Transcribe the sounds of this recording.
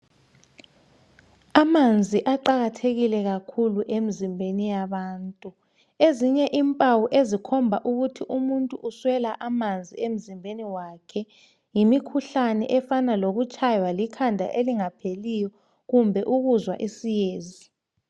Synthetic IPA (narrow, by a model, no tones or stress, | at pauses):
amand͡zʱiʔaǃaɣatʰeɣilɛɣakʰuluʔem̩zimbʱenijaβaːntʼu | eziɲɛʔimpʼawuʔezikʰɔmbʱaʔuɣutʰiʔumuntʼuʔuswɛlaʔamand͡zʱiem̩zimbʱeniwakʰɛ | jimikʰuɬanɛ̰ʔɛfanaloɣut͡ʃʼajwalikʰandʱa̰ʔeliŋapʰelijɔ | ɣumbʱɛʔuɣuzwa̰ʔisijeːzi